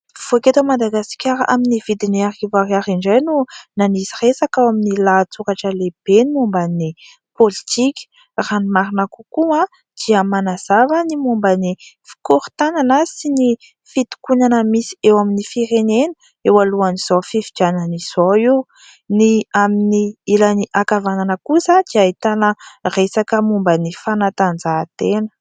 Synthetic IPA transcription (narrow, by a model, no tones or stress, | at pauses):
v̥oket̪amad̪aɡasi̥kʲaɾʔa̰minivid̪iniarivariaɾiɳɖ͡ʐajnunaniziresakawaminilat͡suɾaʈ͡ʂəleb̥enimumbani | polit̪ikʲə̥ | ranimaɾinakukua | d̪̥iəmanaz̥avənimumbanifi̥kuɾt̪ananəsini | fit̪u̥kunanəmisi̥ewaminifiɾenenu̥ | ewaluaniz̥ofifid͡ʒanəniz̥oi | niaminiilaniʔakavananəkusad̪̥iait̪anəresakəmumbənifanat̪and͡zat̪enə̥